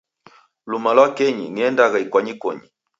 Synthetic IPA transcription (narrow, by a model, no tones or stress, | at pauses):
lumalwakɛɲḭniɛndaɣaikwaɲikɔ̰ɲi